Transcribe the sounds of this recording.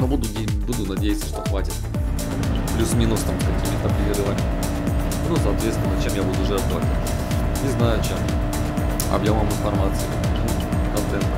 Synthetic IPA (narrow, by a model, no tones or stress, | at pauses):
nobud̪ʊdʲ | bud̪ʊnɐdʲejɪt̪sə̥ʂt̪oxvatʲɪt̪ | plʲusmʲinʊst̪amkɐkʲimʲɪt̪əpɾʲɪvʲed̪ɨvamʲɪ | nosɐt̪vʲet̪st̪ʲnət͡ɕemjabud̪ʊʐɛɐblvˠa̰t̪̚ʲɪ | nʲɪznajʊt͡ɕem | ɐ̰bjaməmɨnfɐrmat̪sɨɪ | nu | kɐnt̪ɛnt̪